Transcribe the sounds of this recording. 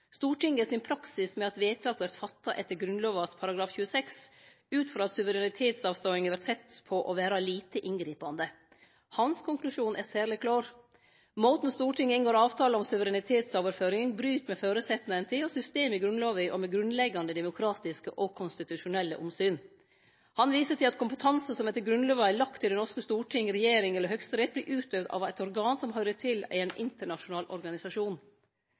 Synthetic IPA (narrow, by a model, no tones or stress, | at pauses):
st̪uːʈʰɪŋɡəsɪnpʰɾɑksɪsmɛɑt̪ʋeːt̪ʰɑːkʋæɾt̪fɑt̪ːɑʔɛt̪ːəɾɡɾʉnloːʋɑspʰɑɾɑɡɾɑːfçʉəsɛks | ʉːt̪fɔɾɑt̪sʉʋəɾɛnɪt̪ʰeːt̪sɑːʋst̪oːɪŋəʋæɾʈ̪t̪sɛt̪ːpʰɔʔɔʋæːɾɑliːt̪əʔɪŋɡɾiːpɑnd̪ə | hɑnskʰʊŋklʉʂuːnʔæ̰ɾsæːɾlɪkʰlɑːɾ | moːt̪n̩st̪uːʈʰɪŋːəɪnɡoːɾɑːʋt̪ʰɑːləɔmsʉʋəɾɛnɪt̪ʰeːt̪soːʋəɾføːɾɪŋəŋbɾyːt̪mɛføːɾʉsɛt̪ːnɛnt̪ʰɪɔsʏst̪eːmɪɡɾʉnloːʋɪʔɔ̰mɛɡɾʉnlɛɡɑnd̪əd̪ɛmʊkʰɾɑːt̪ɪskəʔɔkʰʊnst̪ɪt̪ʉʂʊnɛlːə̰ʔʊmsyːn | hɑnʋiːsəʈʰɪlɑt̪kʰʊmpət̪ʰɑnsəsɔmɛt̪ːəɡɾʉnløːʋɑælɑkt̪ʰːɪlɛnɔʂkəst̪uːʈʰɪŋːɾɛjeːɾɪŋɛlːəɾhœɡst̪əɾɛt̪̚bliːʔʉːt̪̚øʋd̪ɑ̰ːʋɛt̪ɔɾɡɑːnsɔmhœʏɾəʈʰɪlæ̰nɪ̰nt̪əɳɑʂʊnɑːlʔɔɾɡɑnɪsɑʂuːn